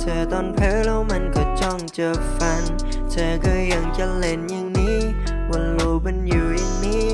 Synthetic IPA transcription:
t͡ɕʰaː˨˩t̪ɔː˧˩npʰeː˧˥lɛː˦˥wma˧nkɔ˨˩t͡ɕɔ˧˥˩ŋt͡ɕɤː˨˩k̚fa˧n | t͡ɕʰaː˨˧˩kaː˧˩ja˧˩ŋt͡ɕa˧˩le˧˩njɯ˧ŋniː˦˥ | wa˧nloː˧pe˧˨njuː˨˩jɯ˧ŋniː˦˥

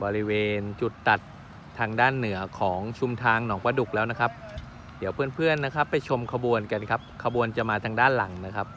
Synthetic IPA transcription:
bɔː˧ɾi˦˥weː˧nt͡ɕu˨˩t̪ːa˨˩t̪ʰː | aː˧ŋdaː˥˩nːɯ˩˦ɐkʰɔː˩˦ŋt͡ɕʰu˧mt̪ʰaː˧ŋnɔː˩˦ŋpa˧du˨˩k̚lɛː˦˥wna˦˥kʰa˦˥p̚ | di˩˦wpʰɯ˥˩ənpʰɯ˥˩ənːa˦˥kʰa˦˥pːa˧jt͡ɕʰo˧mkʰa˧bu˧ənka˧nkʰa˦˥p̚kʰa˧bu˧ənt͡ɕa˨˩maː˧t̪ʰaː˧ŋdaː˥˩nla˨˩˦ŋna˦˥kʰa˦˥p̚

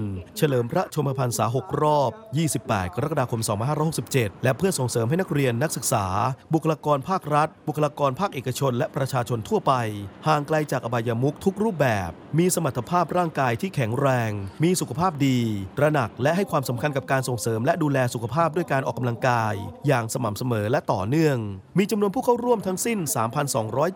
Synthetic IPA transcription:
nt͡ɕʰa˧lɤː˩˦mpʰɾa˦˥t͡ɕʰo˧mpʰa˧pʰa˧nsa̰ː˩˦ɦo˨˩k̚ɾɔː˥˩p̚jiː˥˩si˨˩pːɛ̰ː˨˩t̪̚kʰa˧ɾa˦˥kːa˧daː˧kʰo˧msɔː˩˦ŋpa˧nhaː˥ɾɔ˦˥jho˨˩si˨˩p̚t͡ɕe˨˩t̪̚lɛ˦˥ʔpʰɯ˥˩ɐso˨˩ŋsɤː˩˦mɦa˥˩jna˦˥k̚ɾi˧ənːa˦˥k̚sɯ˨˩k̚saː˩˦bu˨˩kʰːa˧laː˧kɔː˧npʰaː˥˩k̚ɾa˦˥t̪̚bu˨˩kʰːlaː˧kɔː˧npʰaː˥˩k̚ʔeː˨˩ka˧t͡ɕʰo˧nlɛ˦˥ʔpɾa˧t͡ɕʰaː˧t͡ɕʰo˧nt̪ʰu˥˩ɐpa˧jhaː˨˩ŋkla˧jt͡ɕaː˨˩k̚ʔa˧baː˧ja˧mu˦˥k̚t̪ʰu˦˥k̚ɾuː˥˩p̚bɛː˨˩p̚miː˧sa˧ma˨˩t̪ʰːa˧pʰaː˥˩p̚ɾaː˥˩ŋkaː˧jt̪ʰiː˥˩kʰɛ˩˦ŋɾɛː˧ŋmiː˧su˨˩kʰa˧pʰaː˥˩p̚diː˧ɾa˧na˨˩k̚lɛ˦˥ʔɦa˥˩jkʰwaː˧msa˩˦mkʰa˧nka˨˩p̚kaː˧nso˨˩ŋsɤː˩˦mlɛ˦˥duː˧lɛː˧su˨˩kʰa˧pʰaː˥˩p̚du˥˩əjkaː˧nʔɔː˨˩kːa˧mla˧ŋkaː˧jːaː˨˩ŋsa˧ma˨˩msa˧mɤː˩˦lɛ˦˥ʔt̪ɔː˨˩nɯ˥˩əŋmiː˧t͡ɕa˧mnu˧ənpʰuː˥˩kʰa˥˩wɾu˥˩əmt̪ʰa˦˥ŋsi˥˩nsaː˩˦mpʰa˧nsɔ̰ː˩˦ŋɾɔː˦˥j

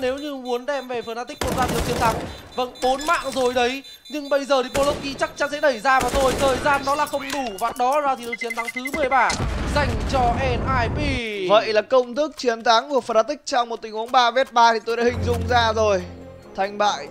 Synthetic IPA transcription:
ne˨˦wɲɨ˧mu˨˦ənɗɛ˧mve˨˩fəː˨˩na˧˥t̪i˦˥k̟̚mo˨˩t̚zaː˧i˨˩˨w̚t͡ɕi˨˦ənt̪ʰa˨˦ŋ | və̰˧˥nɓo˨˦nma̰ː˧˨ŋzo˨˩jɗə˨˦j | ɲɨ˧ŋɓə˧jzəː˨˩t̪i˨˩ɓo˧lo˦˥w̚p̚ki˧t͡ɕa˦˥k̚t͡ɕa˨˦nsɛ̰˧˥ɗə˧˩jzaː˧vaː˨˩t̪ʰo˧jt̪ʰəː˨˩jzaː˧nɗɔ˨˦laː˨˩xə˧wŋ͡mɗu˧˩vaː˨˩ɗɔ˨˦zaː˧t̪ʰi˨˩˨t͡ɕi˨˦ənt̪ʰa˨˦ŋt̪ʰɨ˨˦mɨ˨˩əjɓaː˧˩za˨˩jŋ̟t͡ɕɔ˧ʔɛ˧nʔaː˧jpi˧və̰˧˨jlaː˨˩kə˧wŋ͡mt̪ɨ˦˥k̚t͡ɕi˨˦ənt̪ʰa˨˦ŋku˧˩əfəː˨˩na˧˥t̪ï˦˥k̚t͡ɕɔ˧wŋ͡mmo˨˩t̚t̪ï̟˨˩hu˨˦ənɓaː˧ve˦˥t̚ɓaː˧t̪ʰi˨t̪o˧jɗa̰ː˧˩hï˨˩ŋ̟zʊ̰˧˨ŋ͡mzaː˧zo˨˩j | t̪ʰa˧jŋ̟ɓa̰ː˧˨j

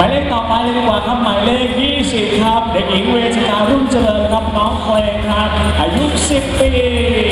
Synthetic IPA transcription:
a˨˦jle˦˥˩nt̪ɔː˨˩pa˧jdi˧˩kwaː˨˩kʰa˦˥p̚ma˨˦jleː˥˩jkjiː˥˩si˨˩p̚kʰa˦˥p̚de˨˩k̚ʔi˨˩˦ŋweː˧sʰa˧naː˧ɾu˥˩nt͡ɕa˧ləː˧nkʰa˦˥p̚nɔː˦˥ŋpʰlɛː˧ŋkʰa˦˥p̚ʔa˨˧˩ju˦˥si˨˩pːiː˧

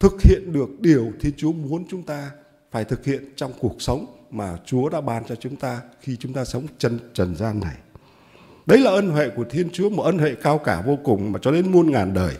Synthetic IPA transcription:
t̪ʰɨ˨˩k̚hḭ˧˨ənɗɨ˨˩ək̚ɗi˨˩əwt̪ʰi˧ənt͡ɕu˨˦əmu˨˦ənt͡ɕʊ˨˦ŋ͡mt̪aː˧ | faː˧˩jt̪ʰɨ˨˩k̚hḭ˧˨ənt͡ɕɔ˧wŋ͡mku˨˩ək̚sə˨˦wŋ͡mmaː˨˩t͡ɕu˨˦əɗa̰ː˧˥ɓaː˧nt͡ɕɔ˧t͡ɕʊ˨˦ŋ͡mt̪aː˧xi˧t͡ɕʊ˨˦ŋ͡mt̪aː˧sə˨˦wŋ͡mt͡ɕə˧nt͡ɕə˨˩nzaː˧nːa˨˩j | ɗə˨˦jlaː˨˩ʔə˧nɦwḛ˧˨ku˧˩ət̪ʰi˧ənt͡ɕu˨˦əmo˨˩ʔəː˧nhwḛ˧˨kaː˧wkaː˧˩vo˧kʊ˨˩ŋ͡mmaː˨˩t͡ɕɔ˧ɗe˨˦nmu˧ənŋaː˨˩nɗəː˨˩j

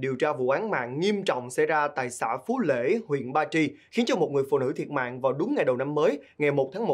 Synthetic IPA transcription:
ɗi˨˩əwt͡ɕaː˧vṵ˧˨ʔaː˨˦nma̰ː˧˨ŋŋi˧əmt͡ɕɔ̰˧˨wŋ͡msɛ̰˧˥jzaː˧t̪a̰ː˧˨jsaː˧˩fu˨˦lḛ˧˥hwḭ˧˨ənɓaː˧t͡ɕi˧xi˨˦ənt͡ɕɔ˧mo˨˩t̚ŋɨ˨˩əjfṵ˧˨nɨ̰˧˥˩t̪ʰi˨˩ət̚ma̰ː˧˨ŋvaː˨˩wɗʊ˨˦ŋ͡mŋa˨˩jɗə˨˩wna˧mːəː˨˦jŋa˨˩jmo˨˩t̚t̪ʰaː˨˦ŋmo˨˩

